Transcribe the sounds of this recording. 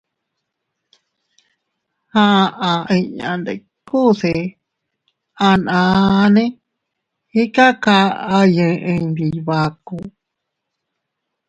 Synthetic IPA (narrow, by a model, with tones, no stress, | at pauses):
hã˦˧ʔã˧ĩ˧ɲã̰˨nd̪ḛ˨ | ku˦˨se˧˨ | a˧nã˧nẽ˦ | i˦ka˦ka˧a˧jẽ˧ʔẽ˧ni˨βa˧ku˧